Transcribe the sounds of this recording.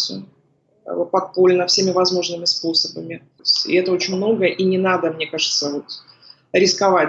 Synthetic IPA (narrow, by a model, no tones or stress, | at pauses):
sʊ̰ | pɐk̪̚polʲnəfsʲemʲɪvɐzmo̞ʐnɨmʲɪspo̞səbəmʲɪt̪osʲɪ̰ɛt̪əot͡ɕɪnʲmno̞ɡəʔinʲɪnad̪əmnʲe̞kaʐɨt̪səvo̞t̪ | ɾʲɪskɐva